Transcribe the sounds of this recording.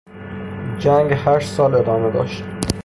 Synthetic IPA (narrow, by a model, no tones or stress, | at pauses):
d͡ʒæŋɡhæʃsɒːle̞d̪ɒːmed̪ɒ̰ːʃt̪